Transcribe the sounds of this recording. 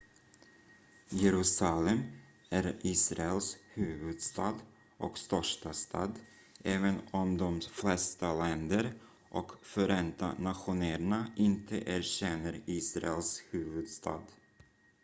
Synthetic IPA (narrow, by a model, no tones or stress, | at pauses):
jɛɾʉ̟ːsalɛm | æɾiːsɾaɛlshʉ̟ːvɵd̪st̪ɑːd̪ | ʔɔkst̪œʂʈast̪ʰɑ̰ːd̪ | ʔɛːvənɔmd̪ɔmflɛst̪alɛnd̪əɾ | ʔɔkfœɾɛnt̪a̰nat̪ɧʊnæːɾɳaɪnt̪ʰə̰ʔæɾɕɛnːəɾiːsɾa̰ɛlshʉ̟ːvɵd̪st̪ʰɑ̰ːd̪